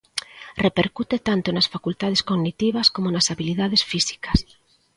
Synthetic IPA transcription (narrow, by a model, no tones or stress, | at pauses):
repeɾkut̪et̪ant̪onasfakult̪að̞eskoɡnit̪iβɐskomonasaβiliðað̞esfisi̥kɐ̥s